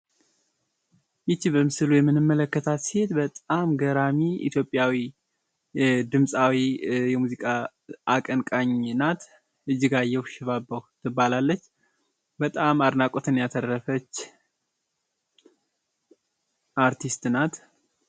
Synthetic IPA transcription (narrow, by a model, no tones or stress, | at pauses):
jɪt͡ʃːibəmɨsɨlujɛmːɨnːɨmːələkːət̪ʰat̪sihet̪bət̪ʼamɡəɾamiḭt̪ʰjo̞pʼːjawi | d̪ɨmsʼawijɛmuzikʼa | akʼənkʼaɲnat̪ | ʔɨd͡ʒːɨɡajɛwʃɪβabːəwt̪ʰɨbːalalːət͡ʃː | bət̪ʼamad̪nakʼot̪ʰɨnjat̪ʰəɾːəfət͡ʃː | ʔaɾt̪ʰist̪nat̪